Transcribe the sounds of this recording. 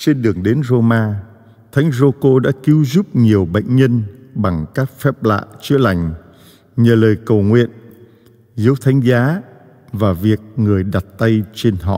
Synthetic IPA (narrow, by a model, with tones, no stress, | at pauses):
t͡ɕe˧nɗɨ˨˩əŋɗe˨˦nzo˧maː˧ | t̪ʰa˨˦jŋ̟zo˧ko˧ɗa̰ː˧˥ki˨˦wzu˦˥p̚ɲi˨˩əwɓə̰˧˨jŋ̟ɲə˧nɓa˨˩ŋkaː˦˥k̚fɛ˦˥p̚la̰ː˧˨t͡ɕɨ˨˦əla˨˩jŋ̟ | ɲəː˨˩ləː˨˩jkə˨˩wŋwḭ˧˨ən | zə˨˦wt̪ʰa˨˦jŋ̟zaː˨˦ | vaː˨˩vi˨˩ək̚ŋɨ˨˩əjɗa˨˩t̚t̪a˧jt͡ɕe˧nɦɔ̰˧˨ʔ